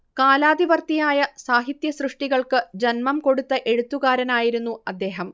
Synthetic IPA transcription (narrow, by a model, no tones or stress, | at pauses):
kaːlaːd̪iʋɐrt̪ijaːjɐsaːɦit̪jɐsrɨʂʈiɣɐɭkɨd͡ʑɐnmɐmko̞ɽut̪ːɐʔe̞ɻut̪ːuɣaːɾɐnaːjiɾunːuɐd̪ːe̞ːɦɐm